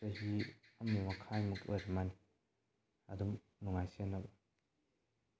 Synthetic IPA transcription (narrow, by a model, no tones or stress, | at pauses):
ɐɦihɐmnimɐkʰajmukoɾmani | ɐ̰dum | nuŋajsenːɐbɐ